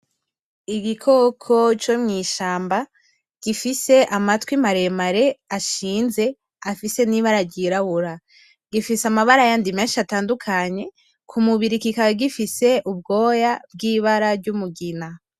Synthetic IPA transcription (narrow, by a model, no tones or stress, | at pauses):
iɡikʰo̞kʰo̞t͡ʃomŋiːʃaːmba | ɡ̥ifise̞ʔamatwimaɾe̞maɾe̞aʃiːnze̞ | afise̞niβaɾaɾɟiɾahuɾa | ɡ̥ifisamaβaɾajandimeːnʃiataːndukʰaɲe̞ | kʰumuβiɾikikaɡifise̞ʔubɡo̞ːjab̚ɡiːβaɾaɾɟumuɡina